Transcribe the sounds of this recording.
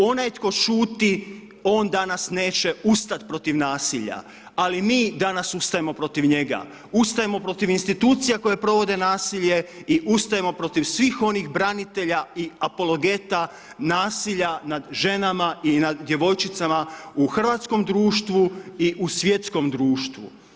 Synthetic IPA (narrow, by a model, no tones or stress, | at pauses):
o̞naj̪ko̞ʃuːt̪i | o̞ːnd̪anasne̞ːt͡ɕe̞ust̪at̪pɾo̞t̪iʋnaːsiʎa̰ | alimiːd̪anasust̪ajemo̞pɾo̞t̪iʋɲe̞ɡa̰ | ust̪ajemo̞pɾo̞t̪iʋinst̪it̪uːt̪sijako̞jepɾo̞ʋo̞d̪e̞naːsiʎe̞iʔust̪ajemo̞pɾo̞t̪iʋsʋixo̞nixbɾanit̪e̞ʎaiapo̞lo̞ɡe̞t̪a | naːsiʎanad̪ʒe̞namainad̪ːje̞ʋo̞jt͡ʃit̪samauxr̩ʋat̪sko̞md̪ɾuːʃt̪ʋuiʔusʋje̞t̪sko̞md̪ɾuːʃt̪ʋṵ